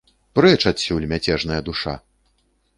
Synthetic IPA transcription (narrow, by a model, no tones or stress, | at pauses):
pɾɨɐt͡ʂasʲuwlʲmʲat͡sʲɛʐn̪ɐjɐd̪uʂa̰